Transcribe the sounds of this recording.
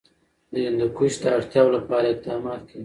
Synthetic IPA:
d̪əjɪnd̪əkuʃd̪əaɽt̪jɑwolapɑɾaɪq̚d̪ɑmɑt̪kʰaɡi

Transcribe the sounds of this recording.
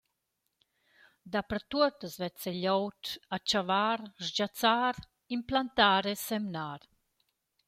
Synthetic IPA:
d̪apɾat̪uət̪əsvɛt͡sɛʎɔwtat͡ʃavaɾʒd͡ʑat͡saɾ | implant̪aːɾesɛmnaɾ

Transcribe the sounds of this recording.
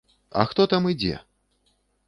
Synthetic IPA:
ɐ̰xt̪ɔt̪amɨd͡zʲɛ̰

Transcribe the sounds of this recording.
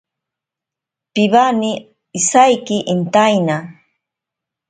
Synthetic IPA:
piβani | isajkiʔint̪ajna

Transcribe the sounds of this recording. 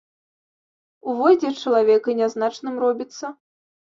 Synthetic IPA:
uvɔd͡zʲɛt͡ʂɐlˠavʲɛkɐnʲaznat͡ʂnɨmrɔbʲit̪sːɐ

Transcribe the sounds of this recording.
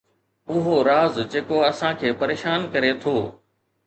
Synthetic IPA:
ʊɦoɾaːzd͡ʑeːkoɐsãkʰeːpɐɾeːʃaːnkɐɾet̪ʰoː

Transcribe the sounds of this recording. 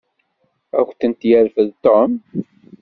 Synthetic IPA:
æ̰xʷθənt̪jæɾfəðt̪ɔm

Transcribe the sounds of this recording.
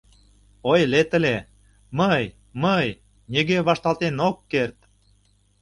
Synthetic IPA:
ojlet̪ə̆le | məj | məj | nʲiɣeβɑʃt̪ɑlt̪enokːert̪

